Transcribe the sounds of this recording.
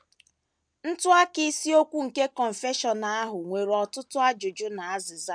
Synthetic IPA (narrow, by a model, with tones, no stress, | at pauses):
n̩˦tʊ˦a˦kɪ˦si˦o˦kʷu˦ŋ̩˨ke˦kɔ˨ɱ̩˨fe˦ʃɔ˨na˨a˦ɦʊ˨ŋʷe˨ɾɔ˨tʊ˦tʊ˦a˦d͡ʒʊ˨d͡ʒʊ˦na˨a˦zɪ˨za˦